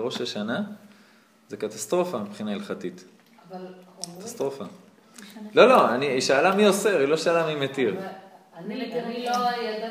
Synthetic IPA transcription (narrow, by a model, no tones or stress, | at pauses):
ʁo̞ʃaʃana | zekat̪ast̪ʁo̞famipχinailχat̪it̪ | kat̪ast̪ʁo̞fa | lo̞lo̞aniiʃaːlamioseʁiloʃaːlamimet̪iʁ